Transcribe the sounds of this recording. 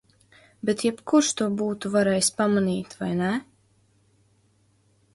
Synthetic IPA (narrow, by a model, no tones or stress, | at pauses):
bet̪jɛpkuɾʃt̪uɔbuːt̪uvaɾɛjsʲpamaniːt̪vajnæ